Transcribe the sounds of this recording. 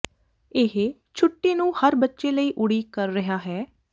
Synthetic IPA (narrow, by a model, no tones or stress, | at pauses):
ɪɦe | t͡ʃʰʊʈːeːnũːhəɾbətːʃeːləiːʔʊɽiːkəɾːəɦaːɦɛː